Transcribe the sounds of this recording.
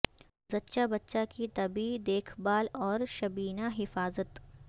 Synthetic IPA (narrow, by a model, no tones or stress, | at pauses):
zɐtːʃabɐtːʃakit̪ɐbid̪eːkʰbaːlɔːɾʃɐbiːnaɦɪfaːzət̪